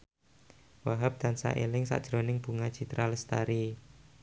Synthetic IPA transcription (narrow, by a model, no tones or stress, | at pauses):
waɦap̚d̪̥a̤nsa̰ʔelɪŋsa̰ʔd̥ʒ̥ɾonɪŋb̥ṳŋad̥ʒ̥i̤t̪ɾaləst̪aɾi